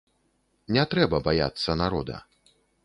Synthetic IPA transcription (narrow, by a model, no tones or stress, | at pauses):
nʲɛt̪ɾɛbɐbaja̰t̪sːɐnaɾɔd̪ɐ̰